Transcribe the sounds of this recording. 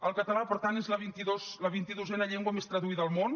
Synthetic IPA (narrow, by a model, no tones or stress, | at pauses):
əlˠkət̪əlapəɾt̪anezləβint̪iðosləβint̪iðuzɛnəʎeŋɡwəmest̪ɾəðuiðəlˠmon